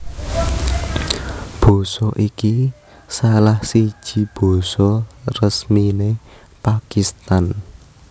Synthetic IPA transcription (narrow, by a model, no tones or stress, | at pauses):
b̥ɔ̤sɔʔiki | salahsi̥ʒ̥i̤b̥ɔ̤sɔrəsmine | pakist̪an